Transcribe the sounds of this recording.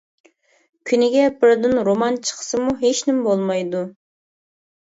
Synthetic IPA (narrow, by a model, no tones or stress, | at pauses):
kʲʰynɪɡʲɛbɪɾd̪ɪnɾomɑnt͡ʃʰə̥qʰə̥sɨmuɦeʃnɪmbolˠmɑjd̪u